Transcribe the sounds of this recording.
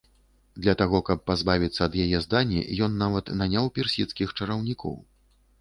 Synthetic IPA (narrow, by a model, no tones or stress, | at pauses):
d̪lʲɐt̪aɣɔkɐpːazbavʲit̪sːɐːd̪jajɛzd̪anʲːḭjɔnːavɐt̪nanʲawpʲɛrsʲit̪skʲixt͡ʂɐɾɐwnʲikʰɔ̰w